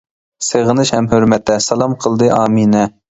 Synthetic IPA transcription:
seʁənɨʃhɛmhøɾmɛt̪ːɛsɑlˠɑmqʰəlˠd̪ɨʔɑːminɛ

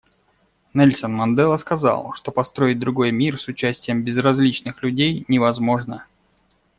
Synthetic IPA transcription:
nɛlʲsənmɐnd̪ɛlˠəskɐzɑ̰lˠʂt̪o̞pɐst̪ɾo̞ɪt̚ʲd̪ɾʊɡo̞jmʲirsʊt͡ɕæsʲtʲɪjəmbʲɪzrɐzʲlʲit͡ɕnɨxlʲʉdʲejnʲɪvɐzmo̞ʐnə

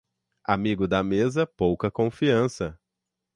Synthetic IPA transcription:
amiɡʊd̪ɐmezɐpowkɐkõfiɐ̃sɐ

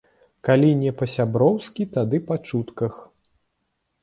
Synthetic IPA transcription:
kalʲinʲɛpɐsʲabɾɔwskʲit̪ad̪ɨpat͡ʂut̪kɐx

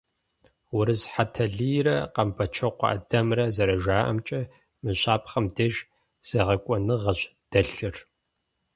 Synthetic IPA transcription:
wʊɾɨzħatʰɐɮijɾɐqɐmpʰɐt͡ʃʰɐqʷɑ̰ʔɐ̰dɐmrɐzɐɾɐʒaːʔɐ̰mt͡ʃʼɐ | mɨɕʼaːpʰʼχɐmdeʒ | z̥eːʁɐkʷʼɔnɨʁɐɕd̥ɐɬɨr

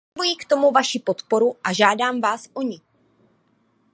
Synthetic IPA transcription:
bujikt̪o̞muvaʃɪpo̞t̪po̞ɾuʔaʒaːdaːmvaːsʔo̞ɲɪ

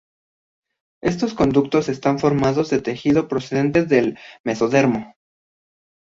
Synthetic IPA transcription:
e̞st̪o̞sko̞nd̪uk̚t̪o̞se̞st̪aɱfo̞ɾmaðo̞zðe̞t̪e̞xiðo̞pɾo̞se̞ðe̞nt̪e̞zðe̞lme̞so̞ðe̞ɾmo̞

